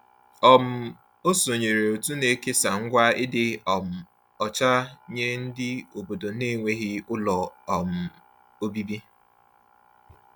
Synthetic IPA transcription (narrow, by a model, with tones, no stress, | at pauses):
ɔ˨m̩˦˨ | o˦so˨ɲe˨ɾe˨o˨tu˦ne˦ke˦sa˨ŋ̩˦ɡʷa˦ɪ˦dɪ˦˨m̩˨ | ɔ˨t͡ʃa˦ɲe˦n̩˦dɪ˦o˨bo˨do˨ne˦˨ŋʷe˦ɣɪ˦ʊ˦lɔ˨ɔ˨m̩˨ | o˦bi˦bi˦